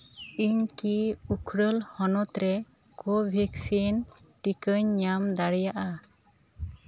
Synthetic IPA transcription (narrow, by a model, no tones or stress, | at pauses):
iɲkiukʰɾəlhɔnɔt̪ɾɛ | kɔbʱɛksin | ʈikəɲːamd̪aɽijaʔa